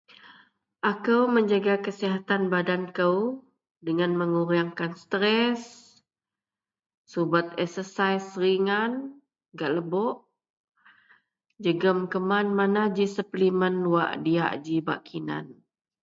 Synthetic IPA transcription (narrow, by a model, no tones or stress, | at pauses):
ʔakəwməɲd͡ʒaɡakəsiɦat̪anbadankəw | dəŋanməŋuɾaŋkanst̪ɾɛs | ubat̪̚ɛksəsajsɾiŋan | ɡaʔləbɔʔ | d͡ʒəɡəmkəmanmanad͡ʒisəplimənwa̰ʔdia̰ʔd͡ʒiba̰ʔkʰina̰n